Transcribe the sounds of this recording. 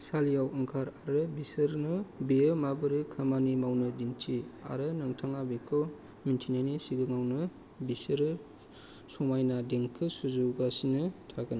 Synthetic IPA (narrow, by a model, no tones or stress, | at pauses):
saljawɯŋkʰaɾaɾɯbisɯɾnɯbeɯmabɯɾɯkʰamanimawnɯdint͡ʃia̰ɾɯnɯŋtʰaŋabekʰɔ | mintʰinanisiɡɯŋawnɯ | bisɯɾɯ | sɔmajnadeŋkʰɯsuzuɡasinɯtʰaɡɯn